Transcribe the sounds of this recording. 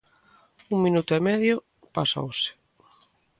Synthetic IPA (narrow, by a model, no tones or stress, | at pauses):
uŋmĩnut̪ʊemɛðjʊ | paso̰wsɪ̥